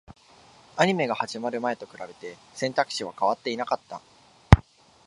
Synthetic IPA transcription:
aɲ̟ime̞ɡahaʑimaɾɯ̟mae̞t̪o̞kɯ̟ɾabe̞t̪e̞sẽ̞nt̪akɯ̟̥ɕiβ̞akaβat̪ːeinakat̪ːa̰

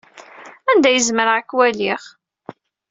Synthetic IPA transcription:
ænd̪æjəzməɾʁakːwæliχ

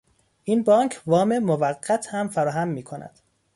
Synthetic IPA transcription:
ʔinbɒːŋkʰvɒːmemovæɢːæt̪ʰhæmfæɾɒːɦæmːiːkʰonæ̰d̪̥

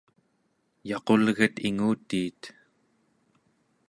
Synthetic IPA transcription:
jɑqo̞lɣət̪iŋuːt̪iːt̪

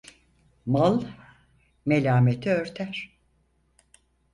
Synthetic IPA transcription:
malˠ | me̞lʲaːmet̪ʰiøɾt̪ʰæɾ̥

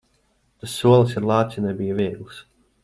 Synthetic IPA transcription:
t̪asːuɔlˠɨsiɾlˠɑːt̪sʲinɛbijəviɛɡlˠɨs

